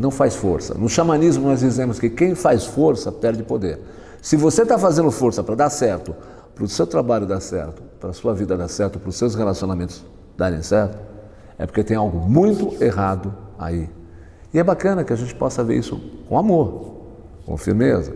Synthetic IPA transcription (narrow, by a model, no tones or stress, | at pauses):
nɐ̃w̃fajsfoɾsɐ̰nʊʃamanizmʊnɔzd͡ʒizẽmʊskɪkẽj̃fajsfoɾsɐpɛɾd͡ʒɪpod̪eɾ | sɪvoset̪afazẽnd̪ʊfoɾsɐpɾɐd̪aɾsɛɾt̪ʊ | pɾʊsewt̪ɾabaʎʊd̪aɾsɛ̰ɾt̪ʊ̥pɾɐsuɐvid̪ɐd̪aɾsɛɾt̪ʊpɾʊsewshelasionamẽnt̪ʊz̥ | d̪aɾẽj̃sɛɾt̪ʊ̥ | ɛpoɾket̪ẽj̃awɡʊmũj̃t̪ʊeɦad̪ʊa̰i | ɪɛbakɐ̃nɐkɪaʒẽnt͡ʃɪ̥pɔsɐvḛɾisʊ̰kõamoɾ | kõ̰fḭɾmezɐ̰